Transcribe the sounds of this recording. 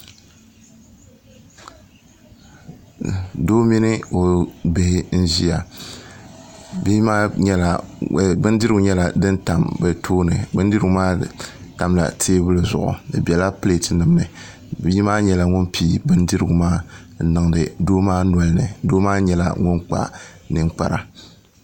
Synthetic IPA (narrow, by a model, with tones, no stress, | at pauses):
doː˦mi˦nɨ˦o˨be˨hɪ˦n̩˦zi˦ja˨ | bma˦ɲɛ˦la˨bɨ˦ndɨ˦ɾɨ˦ɡʊ˨ɲɛ˦la˨dɨ˦nta˨mbɛ˨tʰoː˦nɨ̰˨bɨ˦n˦dɨ˦ɾɨ˦ɡʊ˨˦maː˦ta˨mla̰˨tʰeː˦bɨ˦lɨ˨zʊ̰˨ʔʊ̰˨dɨ̰˨bɛ˨la˦pɨ˦le˦tnɨ˨mnɨ˨ | bji˦maː˦ɲɛ˨la˨ŋʊ˦npʰiː˦bɨ˦ndɨ˦ɾɨ˦ɡʊ˨maː˦ | nɨ˨ŋ˨dɨ˨doː˦maː˦nɔ˨lnɨ̰˨doː˦maː˦ɲɛ˨la̰˨ŋʊ˦nk͡pa̰˨ | nɨ˨ŋk͡pa˨ɾa˨